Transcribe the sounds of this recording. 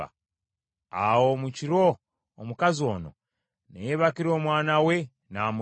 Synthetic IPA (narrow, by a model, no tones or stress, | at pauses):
a̰ | awo̞muciɾo̞ː | mukazio̞̰ːno̰ | nḛjeβakiɾo̞ːmwaːnawe | naːmu